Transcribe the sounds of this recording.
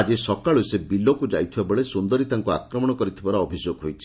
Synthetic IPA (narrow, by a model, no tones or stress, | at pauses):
ad͡ʒisɔkaɭusebilɔkud͡ʒa̰jt̪ʰibabeɭesund̪ɔɾit̪aŋkua̰kɾɔmɔ̃ɔkɔɾit̪ʰibaɾːbʱid͡ʒoɡɦojt͡ʃʰi̥